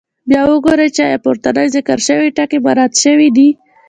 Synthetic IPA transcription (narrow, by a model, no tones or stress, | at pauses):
bjɑwəɡoɾet͡ʃajapʊɾt̪anajzɪkəɾʃəwiʈakibaɾat̪ʃəwid̪i